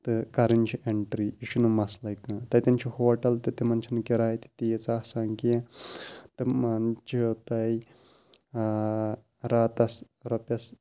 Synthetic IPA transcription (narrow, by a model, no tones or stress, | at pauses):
t̪ɨkɐɾint͡ʃʰiʔeɳʈɾiiʃunumɐslɐjkãt̪ɐjt̪ɐnt͡ʃʰuhoːʈɐlt̪ɨt̪imɐnt͡ʃʰunkiɾaːjt̪i̥t̪ijet͡saːhsaŋkijã | t̪ɨmɐnt͡ʃʰit̪ɐi | ɾaːt̪ɐs | ɾɐpɐs